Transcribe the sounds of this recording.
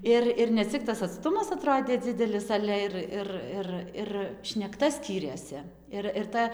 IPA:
ˈɪr ɪr nʲɛˈt͡sʲɪk tɐs ɐtˈstʊmɐs ɐˈtroːdʲeː ˈd͡zʲɪdʲɛlʲɪs ˈɑːlʲɛ ɪr ˈɪr ˈɪr ɪr ʃʲnʲɛkˈtɐ ˈsʲkʲiːrʲeːsʲɪ ˈɪr ɪr ˈtɐ

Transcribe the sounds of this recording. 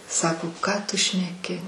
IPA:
ˈsɑːkoː ˈkɑː tʊ ʃʲnʲɛˈkʲɪ

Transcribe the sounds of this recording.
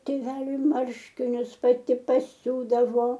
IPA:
tʲeːˈʋʲæːlʲʊɪ ˈmɐrʲʃʲkʲɪnʲʊs pɐˈtʲɪ pɐˈsʲuːdɐʋoː

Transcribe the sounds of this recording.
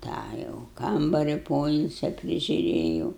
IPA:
ˈtɑː jɛʊ ˈkɐmbɐrʲɪ ˈpoːɪlʲsʲɛ pʲrʲɪʒʲʊˈrʲeːjɛʊ

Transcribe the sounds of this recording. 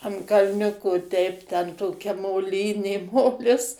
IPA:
ɐn kɐlʲˈnʲʊkoː tʲɛɪp tʲɛn toːˈkʲɛ moːˈlʲiːnʲeː ˈmoːlʲɪs

